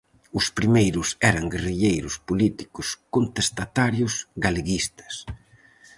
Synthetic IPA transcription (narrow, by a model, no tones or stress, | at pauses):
ʊspɾimejɾʊsɛɾɐŋɡeriʎejɾʊspolit̪i̥kʊskont̪est̪at̪aɾjʊsɡaleɣist̪ɐ̥s